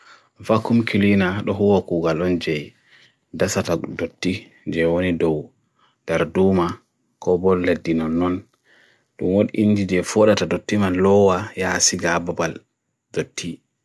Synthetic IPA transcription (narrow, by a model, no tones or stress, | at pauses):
vakːumkilinaɗɔɦuwakuːɡalɔnd͡ʒɛj | dasatadotːi | d͡ʒɛwonidɔw | daɾduma | kɔbɔlːedːinɔnːɔn | ɗumwoɗḭʔind͡ʒid͡ʒɛfɔɗatadotːimalɔwajasiɡababal | dotːi